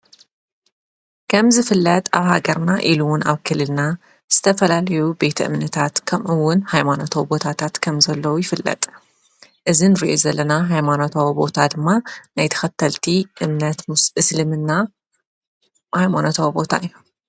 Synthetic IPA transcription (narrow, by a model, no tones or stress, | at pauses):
kʰɐmzɨfɨlːɐt̪ʼa̰βhaɡɐɾnaʔiluwʊna̰βkʰɨlːɨlna | z̥ɨt̪ʰɐfɐlalɐjube̞t̪ʰɐʔɨ̰mnɨt̪ʰat̪kʰɐmʔɨwːʊnhajmano̞t̪ʰowbo̞t̪ʰat̪ʰat̪kʰɐmzɐlːɐwujɪfɨlːɐ̰t̪ʼ | ʔɨzinɨɾiʔo̞zɐlːɐnaɦajmanot̪ʰawbo̞t̪ʰad̪ɨmːanajt̪ʰɐ̥xɐt̪ʰːɐlt̪ʰiʔɨmnɐt̪ʔɨslɨmɨnːa | hajmanot̪ʰawbo̞t̪ʰa̰ɨjːu